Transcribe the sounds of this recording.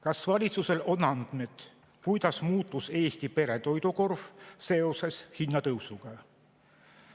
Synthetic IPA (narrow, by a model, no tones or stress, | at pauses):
kɑsvɑlʲit̪suse̞lo̞nɑnd̪̥me̞d̪̥ | kujd̪̥ɑsmuːt̪ˑːuse̞ːst̪ipe̞ɾe̞t̪o̞jd̪̥uko̞rv̥se̞o̞se̞shinːɑt̪ɤwsuɡ̥ɑ